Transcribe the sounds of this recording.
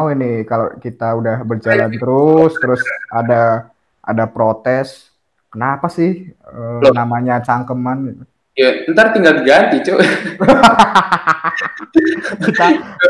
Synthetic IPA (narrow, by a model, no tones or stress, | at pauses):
winɪkalo̰kit̪audahbərd͡ʒalant̪əɾʊst̪əɾʊsada | ʔa̰dapɾot̪ɛs | kənapasɪhənamaɲat͡ʃaŋkəmanɡit̪u | jaənt̪art̪iŋɡald̪əɡant̪it͡ʃo | kit̪a